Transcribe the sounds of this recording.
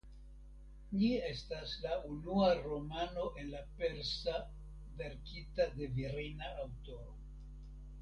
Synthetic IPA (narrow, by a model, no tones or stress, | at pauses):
ɲie̞staslaʔunuaɾo̞mano̞ʔe̞nlape̞ɾsa | ve̞ɾkitade̞viɾinaːwto̞ɾo